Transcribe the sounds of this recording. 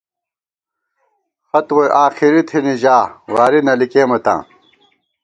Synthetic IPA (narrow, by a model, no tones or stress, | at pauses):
xɐt̪wojʔaːxiɾit̪ʰiniʑaːwaːɾinɐlikeːmɐt̪ã̰ː